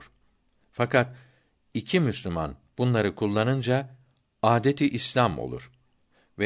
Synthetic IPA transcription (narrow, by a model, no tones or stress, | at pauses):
ɾ̥ | fakʰat̪ | icʰimyslʲyma̰n | b̥unlˠaɾɯkʰulˠːanɯnd͡ʒa | aːd̪et̪ʰiʔislʲamo̞̰lˠṵɾ̥ | vɛ